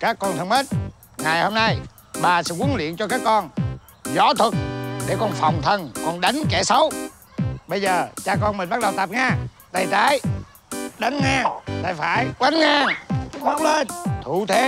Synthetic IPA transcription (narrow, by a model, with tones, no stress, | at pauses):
kaː˦˥kːɔ˧nt̪ʰə˧nme˦˥t̚ | ŋa˨˩jho˧mna˧j | ɓaː˨˩sɛ̰˧˥ku˨˦ənlḭ˧˨ənt͡ɕɔ˧kaː˦˥kːɔ˧n | zɔ̰˧˦t̪ʰwə˨˩k̚ɗe˧˩kɔ˧nfa˨˩wŋ͡mt̪ʰə˧nkɔ˧˩nɗa˨˦jŋ̟kɛ˧˩sə˨˦w | ɓə˧jzəː˨˩t͡ɕaː˧˩kɔ˧nmï˨˩n̟ɓa˦˥t̚ɗə˨˩wt̪a˨˩p̚ŋaː˧ | t̪ə˨˩jt̪aː˧˦j | ɗa˨˦jŋŋaː˧t̪a̰ː˧˨jfaː˧˩jkwa˨˦nŋaː˧fɔ˦˥p̚le˧nt̪ʰu˧˨t̪ʰe˨˦